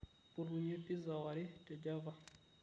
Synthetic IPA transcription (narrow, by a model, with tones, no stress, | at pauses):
pu˨ɾu˨ɲɛ˦pi˦za˨wa˨ɾɛ˦tɛ˨d͡ʒa˦va˨